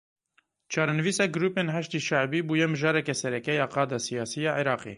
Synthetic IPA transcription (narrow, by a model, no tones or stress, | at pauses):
t͡ʃʰɑːɾɛnɨviːsɑːɡɨɾuːpenɦɛʃt̪iːʃæʕbiːbuːjɛmɨʒɑːɾɛkɛsɛɾɛkɛjɑːqɑːd̪ɑsijɑːsijɑːʕiɾɑːqḛː